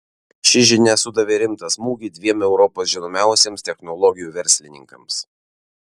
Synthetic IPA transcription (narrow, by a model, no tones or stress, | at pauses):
ʃʲɪʒʲɪnʲɛsʊd̪ɐʋʲeɾʲɪmt̪ɐsmuːɡʲiːd̪ʲʋʲiɛmɛʊɾɔpoːsʒʲɪnoːmʲæˑʊsʲeːmst̪ʲɛxnɔlˠɔɡʲɪjuːʋʲɛɾʲsʲlʲɪnʲɪ̰ŋkɐms